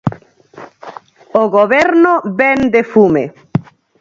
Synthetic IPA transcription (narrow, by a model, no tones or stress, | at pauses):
oɣoβɛɾnobɛnd̪efume